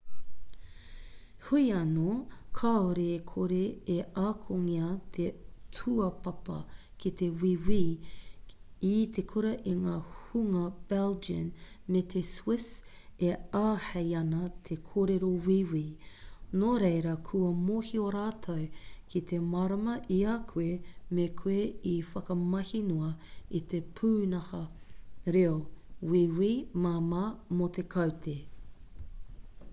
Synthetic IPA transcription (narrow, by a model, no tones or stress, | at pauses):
huiɐnokʰaoɾeːkʰoɾeeʔaːkʰoŋiɐt̪ʰetʰuɐpɐpɐ̰ | kit̪ewiwiː | it̪ʰekʰuɾɐʔiŋaːhuŋɐb̥ɛld͡ʒiən | met̪ʰeswɪs | eaːhejɐnɐt̪ʰekʰoːɾeɾowiwinoːɾejɾɐkʰuɐmohioɾaːtʰɐwkʰit̪ʰemaɾɐmɐʔiakʰuemekʰueifɐkɐmɐhinuɐit̪epʰuːnɐhɐɾeowiwimaːmaːmot̪ekʰɐwtʰe